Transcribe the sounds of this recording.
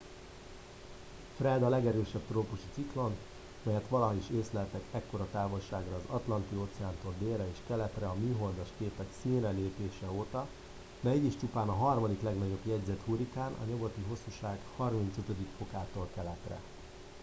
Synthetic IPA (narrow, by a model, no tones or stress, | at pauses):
frɛd̪ɒlɛɡɛɾøːʃɛbt̪roːpuʃi̥t̪siklo̞n | mɛjɛt̪ʋɒlɒɦoiʃeːslɛlt̪ɛkɛkːo̞ɾɒt̪aːvo̞lʃaːɡrɒːzɒt̪lɒnt̪ioːt̪sɛaːnt̪o̞ld̪eːlrɛeːʃkɛlɛt̪rɛɒmyːɦo̞ld̪ɒʃkeːpɛksiːnrɛleːpeːʃɛoːt̪ɒ | d̪ɛɛɟiʃt͡ʃupaːnɒɦɒrmɒd̪iklɛɡnɒɟo̞bjɛɟzɛt̪huɾikaːnʔɒ̰ɲoɡo̞t̪iɦo̞sːuʃaːɡhɒrmin̪t̪søt̪ød̪ikfo̞kaːt̪olkɛlɛt̪rɛ̰